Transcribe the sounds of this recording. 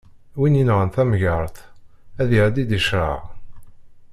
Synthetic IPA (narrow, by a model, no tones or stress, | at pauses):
wininʁənθæmʝəɾˤθæðjəɾd̪id̪iʃɾˤə̰ʁ